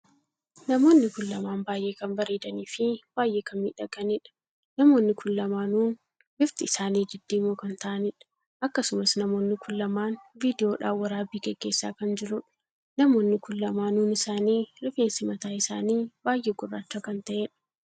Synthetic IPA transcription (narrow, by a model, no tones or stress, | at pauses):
nɐmo̞ːnːɪkʊlːɐmaːnbaːjʔe̞ːkɐnbɐɾiːd̪ɐniːfɪb̥aːjʔe̞ːkɐnmḭːᶑɐɡɐnɪᶑɐ̥ | nɐmo̞ːnːɪkʰʊlːɐmaːnuːn | bɪft̪ɪɪsaːniːd͡ʒɪd̪ːiːmoːkɐnt̪ɐʔɐnɪᶑɐ̥ | ʔɐkːɐsʊmɐsnɐmo̞ːnːɪkʰʊlːɐmaːnviːd̪ɪjo̞ːᶑa̰ːwːɐɾaːbiːɡɛɡ̥ːe̞ːsːa̰ːkɐnd͡ʒɪɾʊᶑ | nɐmo̞ːnːɪkʊlːɐmaːnuːnɪsaːniːɾɪfeːnsɪmɐt̪aːɪsa̰ːniːbaːjʔeːɡʊrːa̰ːt͡ʃːaːkɐnt̪ɐʔeːᶑɐ̥